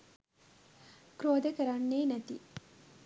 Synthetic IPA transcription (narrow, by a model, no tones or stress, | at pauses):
kɾoːd̪əkɐɾaɳːeːnɐt̪i